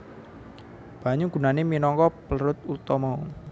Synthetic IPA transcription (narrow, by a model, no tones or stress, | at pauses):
b̥a̤ɲʊŋɡ̥ṳnaneminɔŋkɔpəlɾʊt̪̚ut̪ɔmɔ